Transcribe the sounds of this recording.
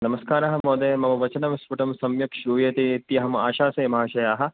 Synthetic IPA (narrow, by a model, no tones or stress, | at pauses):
nɐmɐskaːɾaːɦɐmoːd̪eːmɐmɐʋɐt͡ʃɐnɐmspuʈɐmsɐmjɐkʂɾuːjeːt̪it̪ijɐɦɐma̰ːʃaːsɐːmɐɦaːʃɐjaːɦɐ̆